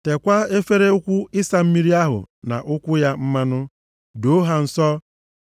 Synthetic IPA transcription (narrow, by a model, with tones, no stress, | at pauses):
te˨kʷa˦e˦fe˦ɾe˦ʊ˦kʷu˦ɪ˦sa˨m̩˦mi˦ɾi˦a˦ɦʊ̰˨ | na̰˨ʔʊ˦kʷʊ˦ja˦m̩˦ma˦nʊ˦ | do˦ɦa˨n̩˨sɔ˦